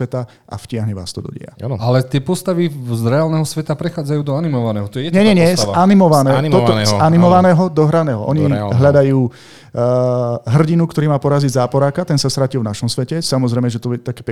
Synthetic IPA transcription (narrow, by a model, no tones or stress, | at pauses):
ɛt̪a | ʔa̰fcɪaɦɲɛʋa̰ːst̪ɔd̪ɔ̰ɟɛ̰a̰alɛt̪ɪɛpɔst̪aʋizɾɛalnɛːɦɔsʋɛt̪apɾɛxaːd͡zajuːd̪ɔanimɔʋanɛːɦɔt̪ɔjɛjɛɲɛɲɛɲɛsaanimɔʋanɛːnt̪ɔt̪ɔanimɔʋanɛːɦɔd̪ɔɦɾanɛːɦɔʔɔɲiɦʎad̪ajuː | ɦr̩ɟinukt̪ɔɾiːmaːpɔɾaziɟzaːpɔɾaːkat̪ɛnsast̪ɾacilvnaʃɔmsʋɛcɛsamɔzɾɛjmɛʒɛt̪ɔɛt̪akɛːp